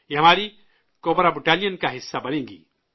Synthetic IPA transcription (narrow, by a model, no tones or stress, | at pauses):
ɦɐmaːɾi | kobɾabuʈaːlijənkaɦɪsːabɐnẽːŋɡḭ